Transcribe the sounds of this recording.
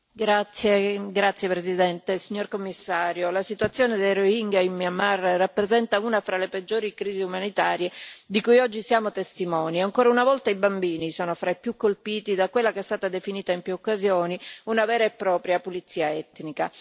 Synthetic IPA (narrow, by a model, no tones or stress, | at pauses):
ɡɾat̪sːjeɡɾat̪sːjepɾezid̪ɛnt̪esiɲːorkomːisːaːɾjolasit̪wat̪sːjoːned̪ejɾoiŋɡaimːiamːarːapːɾezɛnt̪auːnafɾaleped͡ʒːoːɾikɾiːziumanit̪aːɾjed̪ikujɔd͡ʒːisjaːmot̪est̪imɔːniaŋkoːɾaunavɔlt̪aibambiːnisoːnofɾaepjukːolpiːt̪id̪akwelːakeɛst̪aːt̪ad̪efiniːt̪aimpjuokːazjoːniunavɛːɾaepːɾɔːpɾjapulit̪sːiːaɛt̪nika